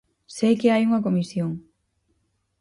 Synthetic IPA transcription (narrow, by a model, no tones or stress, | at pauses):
sejkɪajuŋɐk̬omisjoŋ